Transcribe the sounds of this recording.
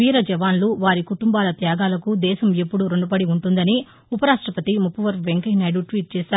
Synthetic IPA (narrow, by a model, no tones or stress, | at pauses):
ʋiːɾɐd͡ʒɛʋaːnluʋaːɾikuʈumbaːlɐt̪jaːɡaːlɐkud̪ɛːʃɐme̞pːuɽuɾoɳɖupɐɽiuɳʈund̪ɐni | upɐɾaːʂʈɾɐpɐt̪imupːuʋɐɾpʋeŋkɐjnaːjɽuʈʋiːʈ̚t͡ʃɛːʃaːɾu